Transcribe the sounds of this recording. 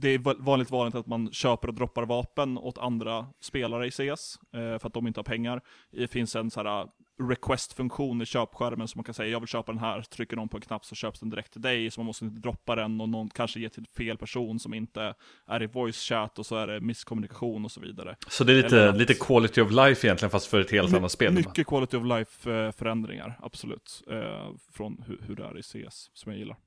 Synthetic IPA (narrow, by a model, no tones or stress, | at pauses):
d̪ɛævɑːnlɪkt̪vɑːnlɪk̚t̪at̪manɕøːpəɾɔd̪ɾɔpːaɾvɑːpənɔ̰t̪ʰa̰nd̪ɾaspeːlaɾəɪseːɛsfœɾat̪̚d̪ɔmɪnt̪əhaɾpʰɛŋːaɾd̪ɛfɪnsɛnsæːɾa̰ɾɛkʰwɛst̪fɵŋkɧuːnɪɕøːpɧæɾmənsɔmːankʰansɛjːajɑːɡvɪlɕøːpad̪ɛnɦæːt̪ʰɾʏkːəɖɔnpʰɔɛnkʰnap̚t̪sɔɕøːpsd̪ɛnd̪ɪɾɛkt̪ʰːɪld̪ɛjsɔmanmɔst̪əɪnt̪əd̪ɾɔpːad̪ɛnɔnɔnkʰanʂəjeːt̪ʰɪlfeːlpʰæʂuːnsɔmɪnt̪ə | ʔæɾɪvɔjsɕæːt̪ɔsɔæɖɛmɪskʰɔmɵnɪkaɧuːnɔsɔvḭːd̪a̰ɾə̰sɔd̪ɛæliːəliːt̪əkʰwɑlɪt̪ʰɪɑvlajfɪjɛnlɪɡənfast̪fœɾɛt̪heːlt̪anat̪speːlmʏkːəkʰvɑlɪt̪ɪɔvlajffœɾɛnd̪ɾɪ̰ŋa̰ɾa̰b̥sɔlʉ̟̰ːt̪ | fɾɔnhɵ̰hɵɖɛ̰æ̰ɾɪsḛːssɔmjaɡjɪlːʔa̰ɾ